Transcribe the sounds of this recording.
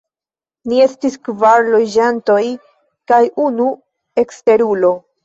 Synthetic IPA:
nie̞stiskvaɾlo̞d͡ʒanto̞j | kajunu | e̞kste̞ɾulo̞

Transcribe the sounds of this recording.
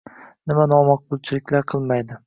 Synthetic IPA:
nɪmanɒmɑq̚bʊlˠt͡ʃʰɪlɪkʲlaɾqʰɨlˠmajd̪ɪ

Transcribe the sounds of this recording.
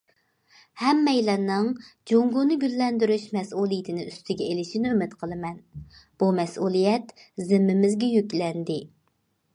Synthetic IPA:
hɛmːɛjlɛnːɨŋd͡ʒoŋɡunɨɡʲylːɛnd̪yɾyʃmɛsulˠijit̪ʰɪnɪyst̪ɪɡʲɛelɪʃinɪømɪt̪qʰəlˠɨmɛnb̥umɛsulˠijɛt̪zɪmːɪmɪzɡʲɛjykʲlɛnd̪ɪ

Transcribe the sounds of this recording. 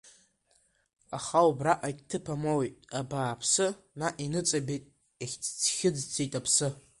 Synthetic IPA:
aχawubraʔajtʰɨpʰamowejtʼabaːpʰsɨ | naʔinɨt͡sʼabejtʼ | eχʲt͡sʰt͡sʰχʲɪd͡zt͡sʰejtʼapʰsɨ

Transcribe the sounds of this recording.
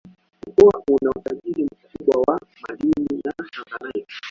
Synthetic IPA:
ukuwa̰unautaʄiɾim̩kuɓwawamaɗininahaŋɡanaiki̥

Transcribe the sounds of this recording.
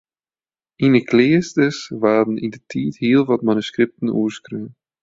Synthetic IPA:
inəkleːstəsʋaːdənɪndətʰiːtɦɪːəlˠʋɑtmanyskɾɪp̚tənṵːskɾøːn

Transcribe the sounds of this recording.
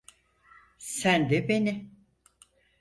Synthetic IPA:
sænd̪ɛbeni

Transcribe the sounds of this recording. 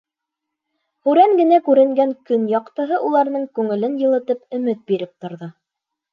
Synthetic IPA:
hʉɾæŋɡɘ̆nækʉɾɘ̆ŋɡæŋkɵnjɑqt̪ɤ̆ɦɤʔulˠɑɾnɤɴkʉŋɘ̆lɘnjɤ̆lˠɤ̆t̪ɤpɵ̆mɘt̪̚biɾɘp̚t̪ŏɾðɤ

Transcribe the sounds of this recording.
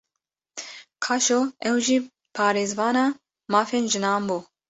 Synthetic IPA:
kʰaʃoːɛwʒiː | pʰɑːɾeːzvɑːnɑː | mɑːfeːnʒɪnɑːmbuː

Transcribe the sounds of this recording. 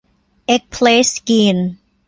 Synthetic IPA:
ek̚pʰleskin

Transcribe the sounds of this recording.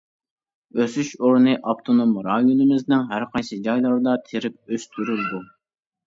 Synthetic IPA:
øsyʃoɾnɨʔɑpt̪ʰonomɾɑjonɨmɪznɪŋɦæɾqʰɑjsɨd͡ʒɑjlˠɑɾd̪ɑt̪ʰeɾɪp̚øst̪ʰyɾyld̪u

